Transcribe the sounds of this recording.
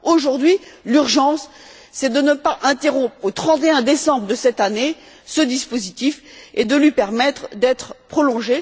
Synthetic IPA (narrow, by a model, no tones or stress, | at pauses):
oʒuʁd̪ɥilyʁʒɑ̃sː | ɛd̪ənəpaʔɛ̃t̪eʁɔ̃pχot̪χɑ̃t̪eɛ̃d̪esɑ̃bʁəd̪əsɛt̪ane | səd̪ispozit̪ifed̪əlɥipɛʁmɛt̪χəd̪ɛt̪χpχɔlɔ̃ʒe